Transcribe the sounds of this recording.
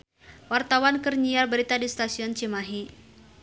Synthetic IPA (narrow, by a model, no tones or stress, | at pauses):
wart̪awankərɲiarbəɾit̪adist̪asiɔnt͡ʃimaɦi